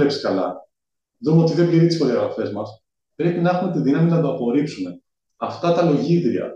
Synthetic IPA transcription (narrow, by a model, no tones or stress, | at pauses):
epsi̥skɐlɐ̰ | ðumeot̪iðe̞bliɾit̪isxo̞ðiɐɣɾɐfe̞zmɐs | pɾe̞pinexume̞t̪iðinɐminɐd̪oɐpo̞ɾipsume̞ | ɐft̪ɐt̪ɐlo̞ʝid̪ɾiɐ̰